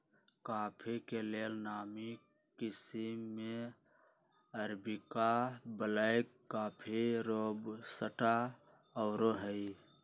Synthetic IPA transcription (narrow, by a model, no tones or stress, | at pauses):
kaːpʰekeleːlnaːmi | kɪsimːe | əɾbikabəlaekː | aːpʰiɾobsəʈa | ɔʊɾoɦəi